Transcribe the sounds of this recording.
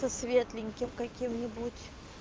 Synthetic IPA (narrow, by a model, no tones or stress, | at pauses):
ɐsvʲet̪lʲɪŋʲkʲɪmkɐkʲimnʲɪbutʲ